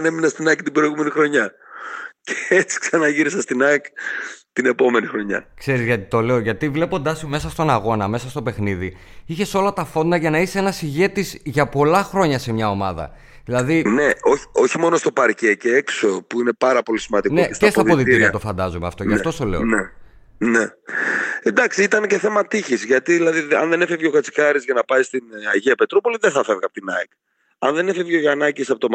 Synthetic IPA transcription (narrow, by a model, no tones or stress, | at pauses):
ɐne̞minɐst̪inɐkt̪ibɾo̞iɣumenixɾo̞ɲɐ | ceet͡si̥ksɐnɐʝiɾisɐst̪inɐkt̪ine̞po̞me̞nixɾoɲɐ̰kse̞ɾizʝɐt̪i̥t̪o̞le̞oʝɐt̪ivle̞po̞nd̪ɐsime̞sɐst̪o̞nɐɣo̞nɐme̞sɐst̪o̞pe̞xniði | içe̞so̞lɐt̪ɐfo̞nd̪ɐʝɐnɐiseenɐsiʝe̞t̪izʝɐpo̞lɐxɾo̞ɲɐse̞mɲɐo̞mɐðɐ̰ | ðilɐðine̞o̞çi̥o̞çimo̞no̞st̪o̞pɐɾce̞ceekso̞puine̞pɐɾɐpo̞lisimɐnd̪ineescespt̪ɐðo̞ðit̪iiɐt̪o̞fɐnd̪ɐzumeɐ̰ft̪oʝɐfto̞st̪ole̞o̰ne | ne | end̪ɐksiit̪ɐnce̞θe̞mɐt̪içizʝɐt̪iðilɐðiɐ̰nðe̞nefevʝeokɐt͡si̥kɐɾizʝɐnɐpɐjst̪inɐʝiɐpe̞t̪ɾopo̞liðeθɐfevɣɐpo̥t̪inɐ̰ik | ɐnðe̞nefevʝoʝɐnɐcisɐpot̪om